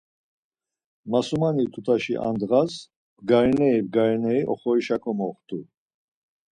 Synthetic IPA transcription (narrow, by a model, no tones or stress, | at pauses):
masumanit̪ʰut̪ʰaʃḭʔa̰nd̪ʁas | bɡaɾinɛibɡaɾinɛiʔɔ̰χɔɾiʃakʰɔmɔχt̪ʰʼu